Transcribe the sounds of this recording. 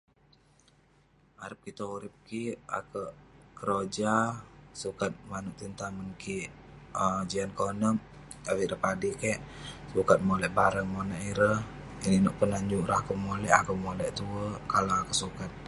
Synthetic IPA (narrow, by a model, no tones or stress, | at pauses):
aɾəp̚kit̪ouɾɪp̚kia̰kəʔkəɾod͡ʒasukat̪̚manuʔt̪int̪amənkiəd͡ʒiankonəm | awiʔɾəpadikɛʔsukat̪̚molɛʔbaɾəŋmonaʔiɾəiniʔnɔʔpənaɲd͡ʒuʔɾakəmolɛʔakəmolɛʔt̪uəkalawakəsukat̪̚